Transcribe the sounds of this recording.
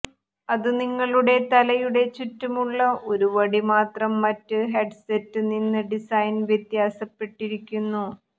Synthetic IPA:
ɐðɨniŋːɐɭuɽe̞t̪ɐlɐjuɽe̞t͡ɕitːumuɭːɐʔo̞ɾuʋɐɽimaːt̪rɐmːɐtːɨɦeɖsetːɨninːɨɖisɐjnʋjet̪jaːsɐpːe̞ʈːiɾikʲːunːu

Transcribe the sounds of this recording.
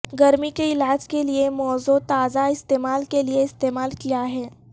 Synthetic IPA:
ɡɐɾmikeɪlaːd͡ʒkeliemɔːzot̪aːzaɪst̪eːmaːlkelieɪst̪eːmaːlkijaɦɛː

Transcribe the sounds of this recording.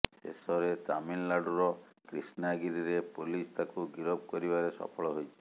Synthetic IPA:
sḛsɔɾet̪aminlaɖuɾɔkɾḭsnaɡiɾiɾepulist̪ʰakuɡiɾɔb̚kɔɾibaɾesɔ̰pʰɔɭɔɦojt͡ʃʰi̥

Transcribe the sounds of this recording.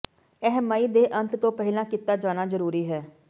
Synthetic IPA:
ɛɦɛmaːiːd̪eːʔənt̪t̪õːpɛɦɪlãːkit̪aːd͡ʒaːnaːzəɾuːɾiːɦɛː

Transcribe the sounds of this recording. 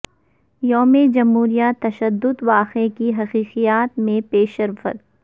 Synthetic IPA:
joːmed͡ʒɐmɦuːɾijat̪ɐʃəd̪ːʊd̪ʋaːqekiɦɐqiːqijaːt̪mẽpeːʃɐɾfə̰t̪̚

